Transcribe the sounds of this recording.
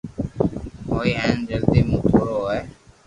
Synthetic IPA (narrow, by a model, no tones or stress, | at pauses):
ɦoːiːɦɛ̃ːnd͡ʒəld̪iːmũːt̪ʰoːɾoːeː